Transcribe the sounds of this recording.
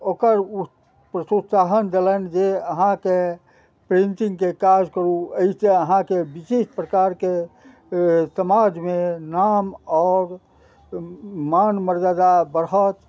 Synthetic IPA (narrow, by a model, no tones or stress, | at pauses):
okəɾu | pɾət̪ut̪saɦənd̪elənd͡ʒeəɦãke | pɾint̪iŋɡkekad͡ʒkəɾuəiseəɦãkebiʃespɾəkaɾke | səmad͡ʒmenamɔːɾ | manməɾd͡ʒəd̪abəɾət̪